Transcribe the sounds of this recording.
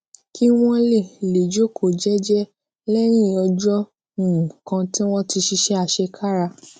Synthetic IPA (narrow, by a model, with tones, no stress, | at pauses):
ki˦w̃ɔ̃˦le˦˨le˨d͡ʒo˦kʰo˦˨d͡ʒɛ˦d͡ʒɛ˦ | lɛ˦ɾ̃ĩ˦˨ɔ˧d͡ʒɔ̃˦˨ | kã˧ti˦w̃ɔ̃˦ti˧ʃi˧ʃɛ˦a˨ʃɛ˧kʰa˦ɾa˧